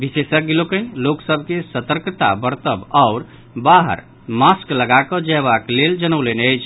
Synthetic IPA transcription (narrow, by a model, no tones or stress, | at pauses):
bisesək̚ɡelokənloksəbʱkesət̪əɾkt̪a̰bəɾt̪əbaʊɾ | baɦə̰ɾ | maskləɡakɔ̃d͡ʒəjβakleld͡ʒənəwleneəjt͡ʃʰ